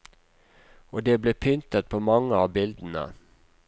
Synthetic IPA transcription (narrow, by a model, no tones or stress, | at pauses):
oːd̪eːbleːpʰʏnt̪ət̪̚pʰoːmɑŋːəɑːbɪld̪n̩ə̰